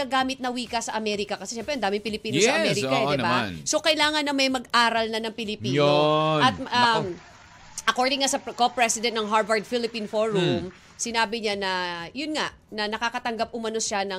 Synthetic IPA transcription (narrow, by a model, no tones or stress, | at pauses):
ɐɡaːmɪt̪̚nɐwiːkɐsɐʔɐmɛɾɪkɐkɐsɛʃɛmpɾɛʔɐnd̪aːmɪŋpɪlɪpiːnossɐʔɐmɛɾɪkɐd̪ɪbaaso̞kɐɪlaːŋɐnːɐmɐjmɐɡʔaːɾɐlnɐnɐŋpɪlɪpiːoɐt̪̚a | ʔɐkoɹd̪ɪŋːasɐkopɹɛsɪd̪ɛnt̪nɐŋɦaɹvɐɹd̪̚filɪpinfoɹum | sɪnaːbɪɲanɐjʊnŋaʔ | nɐnɐkakɐt̪ɐŋɡap̚ʔʊmɐno̞ʃanɐ